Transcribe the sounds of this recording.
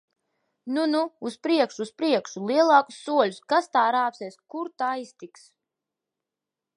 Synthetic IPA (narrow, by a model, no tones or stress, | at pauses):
nunuːspɾiɛkʃuːspɾiɛkʃulˠiɛlˠɑːku̥sːuɔlʲuskast̪aːɾaːpsʲɛːskuɾt̪aːist̪iks